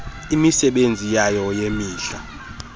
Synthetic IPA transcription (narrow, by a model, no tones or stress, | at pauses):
imisɛɓend͡zʱijajɔjemiːɬa